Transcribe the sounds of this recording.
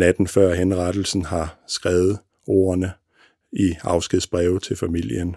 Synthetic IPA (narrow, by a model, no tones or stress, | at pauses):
næd̥n̩fɶɐ̰ɦenʁɑd̥l̩sn̩hɑ̈sɡ̥ʁɛːʊð̩ˠ | o̝̰ːɐnə | iɑ̈ʊsɡ̥iðˠsb̥ʁɛʊt͡sʰe̝lfæmil̰jən